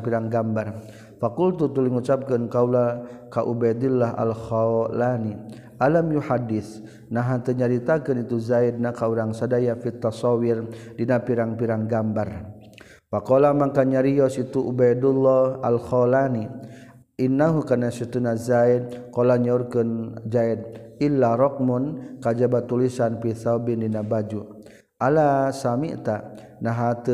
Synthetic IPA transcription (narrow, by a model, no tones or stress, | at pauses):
piɾaŋɡambar | fakult̪ut̪uliŋut͡ʃap̚kənkaulakaʔubajd̪ulːɔɦa̰lxɔlani | ʔalamjuħadːɪθ | naɦat̪əɲaɾit̪akənit̪uzaid̚nakauɾaŋsadajafit̪ːasɔwirdinapiɾaŋpiɾaŋɡambar | pakɔlamaŋkaɲaɾiɔsit̪uʔubajdulːɔa̰lxɔlani | inːaɦukanasit̪unazaid̪̚kɔlaɲaurkɨnd͡ʒaid̪̚ilːaɾɔk̚munkad͡ʒabat̪ulisanpiθabindinabad͡ʒu | ʔalasamḭt̪a | naɦat̪ə